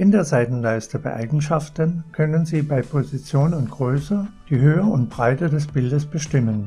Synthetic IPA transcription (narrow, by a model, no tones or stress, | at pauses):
ʔɪndeːɐzaɪtn̩laɪstəbaɪʔa̰ɪɡŋ̩ʃaftənkʰœnənziːbaɪpʰozit͡sjoːnʊntɡ̥ʁøːsəd̥iːɦøːəʊntb̥ʁaɪtədɛsb̥ɪldəsb̥əʃtɪmən